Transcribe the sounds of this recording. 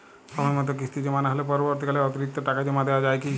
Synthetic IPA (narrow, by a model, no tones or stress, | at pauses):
ʃɔbamɔt̪ok̬ist̪id͡ʑemanaɦolepɔɾɔbɔɾt̪̬ikaleɔt̪iɾik̚t̪ːoʈakad͡ʒemad̪ewad͡ʒajki